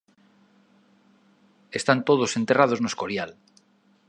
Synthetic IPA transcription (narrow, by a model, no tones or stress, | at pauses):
e̞st̪ant̪oð̞ose̞nt̪e̞rað̞o̞znoe̞sko̞ɾjal